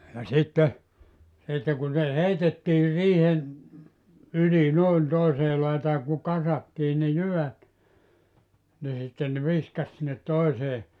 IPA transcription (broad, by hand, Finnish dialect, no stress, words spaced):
jɑ sitːe sitːe kun se heitetːiːr riːhen yli noˑin toiseː lɑitɑː ku kɑsɑtːiː ne jyʋæt ni sitːen nĕ ʋiskɑs sinːet toiseː